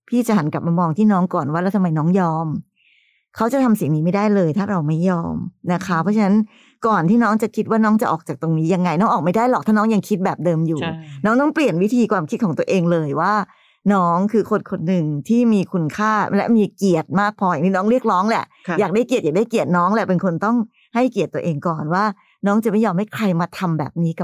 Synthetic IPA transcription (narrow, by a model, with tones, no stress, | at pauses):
pʰiː˥˩t͡ɕa˨˩ɦa˨˩˦nkla˨˩p̚maː˧mɔː˧ŋt̪ʰiː˥˩nɔː˦˥ŋkɔː˨˩nwaː˥˩la˧˩t̪ʰa˧mːa˧jnɔː˦˥ŋjɔː˧m | kʰa˦˥wt͡ɕa˨˩t̪ʰa˧msi˨˩˦ŋniː˨˦ma˥˩jdaː˥˩jlɤː˧jt̪ʰaː˥˩ɾa˧wma˥˩jːɔː˧mna˦˥kʰa˦˥pʰɔ˦˥t͡ɕʰa˧na˦˥n | kɔː˨˩nt̪ʰiː˥˩nɔː˦˥ŋt͡ɕa˨˩kʰi˦˥waː˥˩nɔː˦˥ŋt͡ɕa˨˩ʔɔː˨˩k̚t͡ɕaː˨˩k̚t̪o˧ŋniː˦˥ja˧ŋːa˧jnɔː˦˥ŋʔɔː˨˩k̚ma˥˩jdaː˥˩jlɔ˨˩kt̪ʰaː˥˩nɔː˦˥ŋja˧ŋkʰi˦˥t̪̚bɛː˨˩p̚dɤː˧mjuː˨˩nɔː˦˥ŋt̪ɔ˥˩ŋpli˨˩ənwi˦˥t̪ʰiː˧kwaː˧mkʰi˦˥kʰɔː˩˦ŋt̪u˧əʔeː˧ŋlɤː˧jwaː˥˩ | nɔː˦˥ŋkʰɯː˧kʰo˧nkʰo˧nːɯ˨˩ŋt̪ʰiː˥˩miː˧kʰu˧nkʰaː˥˩lɛ̰˦˥miː˧ki˨˩ət̪̚maː˥˩k̚pʰɔː˧ja˨ŋt̪ʰiː˥nɔː˦˥ŋɾi˥˩ək̚ɾɔː˦˥ŋlɛ̰˨˩ʔjaː˨˩k̚daː˥˩jki˨˩t̪̚jaː˨˩da˥˩jki˨˩ət̪̚nɔː˦˥ŋlɛ˧˩pe˧nkʰo˧nt̪ɔ˥˩ŋ | ha˥˩jki˨˩t̪ːu˧əʔeː˧ŋkɔː˨˩nwaː˥˩ | nɔː˦˥ŋt͡ɕa˨˩ma˥˩jɔː˧mha˥˩jkʰɾa˧jma˧t̪ʰa˧mbɛ̰ː˨˩p̚niː˦˥ka˨˩